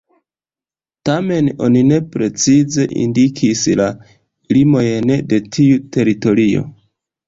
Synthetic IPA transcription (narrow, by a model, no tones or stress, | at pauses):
tame̞no̞̰nine̞pɾe̞t͡size̞ʔḭndikʰisla | limo̞jnde̞tʰiute̞ɾito̞ɾio̞̰